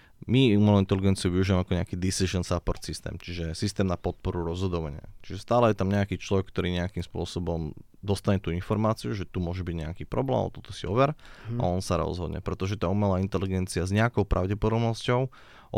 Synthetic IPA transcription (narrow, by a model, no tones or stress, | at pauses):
miumɛlɔint̪ɛliɡɛnt͡siuʋiuʒiʋamɛakɔɲɛakiːd̪isiʒɔnsapɔɾt̪sist̪ɛ̰ːmt͡ʃiʒɛsist̪ɛːmnapɔt̪̚pɔɾuɾɔzɦɔd̪ɔʋaɲɪa̰t͡ʃiʒɛst̪aːlɛjɛt̪amɲɛakiːt͡ʃlɔʋɛkːt̪ɔɾiːɲɛakiːmspʊɔsɔbɔm | d̪ɔst̪aɲɛt̪uinfɔɾmaːt͡siuʒɛt̪umʊɔʒɛbiɟɲɛakiːpɾɔblɛ̰ːma̰ɔt̪ɔt̪ɔsiɔʋɛɾa̰ɔnsaɾɔ̰zɦɔd̪ɲɛ̰pɾɛt̪ɔʒɛt̪aːumɛlaːint̪ɛliɡɛnt͡siazɲɛakɔʊpɾʔa̰ʊɟɛpɔd̪ɔbnɔscɔʊ | ʔ